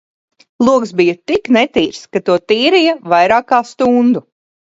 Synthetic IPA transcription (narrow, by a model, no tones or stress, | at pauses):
lˠuɔksbijɐt̪iknɛt̪iːɾskat̪uɔt̪iːɾijɐvajɾaːkaːst̪und̪u